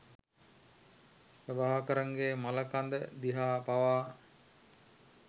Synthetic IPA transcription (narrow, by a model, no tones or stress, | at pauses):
ʋebaɦakəɾaŋɡeːmaləkand̪əd̪iɦaːpaʋaː